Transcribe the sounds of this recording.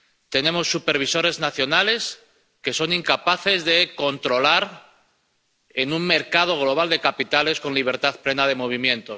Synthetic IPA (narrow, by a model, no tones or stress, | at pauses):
t̪e̞ne̞mo̞sːupe̞ɾβ̞iso̞ɾe̞znaθjo̞nale̞s | ke̞so̞niŋkapaθe̞zðe̞ko̞nt̪ɾo̞laɾ | enuŋme̞ɾkað̞o̞ɣ̞lo̞β̞ald̪e̞kapit̪ale̞sko̞nliβ̞e̞ɾt̪aðple̞nað̞e̞mo̞β̞imjẽ̞nt̪o̞